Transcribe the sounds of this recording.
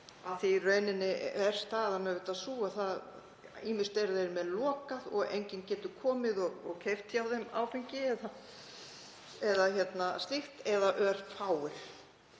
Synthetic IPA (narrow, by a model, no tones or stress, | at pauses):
aðθirœːɥnɪnːɪvɛɾ̥st̪aːðamɛvɪt̪aðsuːaθað | iːmɪst̪ɛɾðejɾmɛðlɔːkaðɔɣḛjɲcɪncɛːt̪ʏkʰɔːmɪðɔɣɔɣcʰeft̪çawðɛma̰ːwfɛɲcɪɛða | ɛðaçɛt̪nast̪ɪxt̪ɛðaʔœɾ̥faːwɪɾ̥